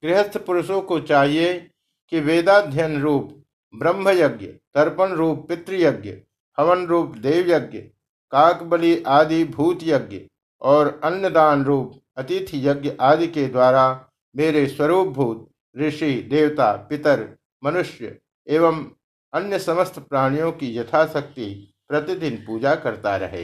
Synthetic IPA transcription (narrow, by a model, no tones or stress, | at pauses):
ɡɾɪɦəst̪ʰpʊɾʊʃõkot͡ʃaːɦie | kiʋeːd̪aːd̪ʱjənɾuːp | bɾə̃mbʱəjɐɡjət̪ɐɾpənɾuːpːɪt̪ɾəjɐɡjə̰ | pʰɐʋənɾuːpd̪eːʋjɐɡjə | kãːkbəliʔaːd̪ibʱuːt̪jɐɡjə̰ | ɔːɾɐnjəd̪aːnɾuːp | ɐt̪ɪt̪ʰjɐɡjəʔaːd̪iked̪waːɾa | meːɾeswɐɾuːp̚bʱuːt̪̚ | ɾɪʃid̪eːwt̪apɪt̪əɾ | mɐnʊʃjə̰ | eːʋəm | ɐnjəsɐməst̪ʰpɾaːɽ̃ijõkijɐt̪ʰasɐk̚t̪i | pɾɐt̪ɪd̪ɪnpuːd͡ʒakɐɾt̪a̰ɾɐ̰ɦḛː